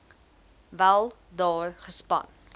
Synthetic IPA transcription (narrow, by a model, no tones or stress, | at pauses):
vælˠ | dɑːrχəspɐ̰n